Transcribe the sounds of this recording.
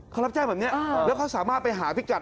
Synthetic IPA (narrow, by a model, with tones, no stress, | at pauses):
kʰɾa˦˥p̚t͡ɕaː˧˩jbɛː˨˩ni˦˥ɐ˧lɛː˦˥˩kʰa˥wsaː˩˦maː˥˩t̪̚pa˧jɦaː˩˦pʰi˦˥˩t͡ɕa˨˩